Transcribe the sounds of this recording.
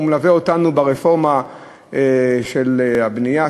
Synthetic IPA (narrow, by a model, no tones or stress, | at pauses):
mlaveotanubaʁefo̞ʁma | eʃelhabnija